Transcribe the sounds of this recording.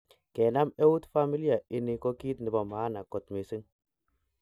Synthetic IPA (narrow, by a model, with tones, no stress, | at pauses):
kɛ˨na˦mɛ˦wu˦tfa˦mi˦li˦a˨ɪ˨ni˨kɔ˦ki˦tnɪ˨ba˨maː˨˦na˨kɔ˨tme˨si˦ŋ